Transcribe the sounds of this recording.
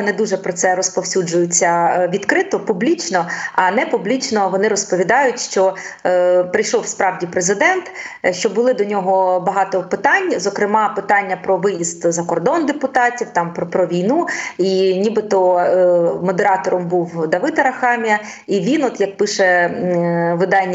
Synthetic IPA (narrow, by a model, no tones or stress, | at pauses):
nɛd̪uʒɛpɾɔt̪sɛɾɔspɔwsʲud͡ʒʊjʊt͡sʲːɐʋʲid̪kɾɪt̪ɔpublʲit͡ʃnɔɐnɛpublʲit͡ʃnɔʋɔnɪɾɔspɔʋʲid̪ɑjʊtʲʃt͡ʃɔ | pɾɪjʃɔwspɾɑwdʲipɾezɪd̪ɛnt̪ʃt͡ʃɔbʊlˠɪd̪ɔnʲɔɦɔbɐɦɑt̪ɔpɪt̪ɑnʲzɔkɾɪmɑpɪt̪ɑnʲːɐpɾɔʋɪjist̪zɐkɔrd̪ɔnd̪epʊt̪ɑtʲiwt̪ɑmppɾɔʋʲijnuinʲibɪt̪ɔ | mɔd̪eɾɑt̪ɔɾɔmbuwd̪ɐʋɪd̪ɐɾɐxɑmʲijɐ | iʋʲinɔt̪jɐk̚pɪʃɛ | ʋɪd̪ɑnʲːɐ